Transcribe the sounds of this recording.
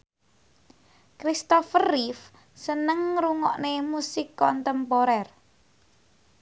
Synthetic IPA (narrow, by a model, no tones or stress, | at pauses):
kɾist̪ɔfərːif | sənəŋɾuŋɔʔnemusikːɔnt̪əmpɔɾɛr